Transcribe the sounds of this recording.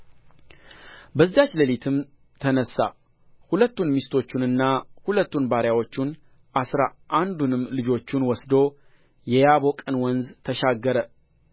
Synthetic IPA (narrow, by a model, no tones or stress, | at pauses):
bəzːat͡ʃləlit̪ʰɨm | t̪ʰənəsːa̰ | hulət̪ːunmist̪ʰo̞t͡ʃːunɨnːahulət̪ːunbaɾjawo̞t͡ʃːun | ʔasɾaʔand̪unɨmlɨd͡ʒo̞t͡ʃːunwɔsd̪o̞ | jɛjaβo̞kʼɨnwɔnzt̪ʰəʃaɡːəɾə